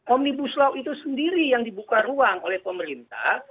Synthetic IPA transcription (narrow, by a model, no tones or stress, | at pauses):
ʔɔmnibuslauit̪usəndiɾijaŋdibukaruaŋolɛhpəməɾint̪a̰h